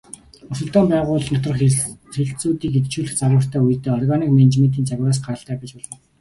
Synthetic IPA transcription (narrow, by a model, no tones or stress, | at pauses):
ʊsɵ̆ɮt̪ɔːmpæːʁʊːɮnɔt̪rə̆χxeɬt͡suːt̪iːket̪t͡ɕʰuːɮɘ̆xt͡saɣwə̆r̥t̪ʰæːuj̆t̪eːɔrɣaniːkment͡ɕment̪̬iːnt͡saɣʲɾaːs̬ɢaɾə̆ɬt̪æːpʲit͡ɕpʊɮə̆n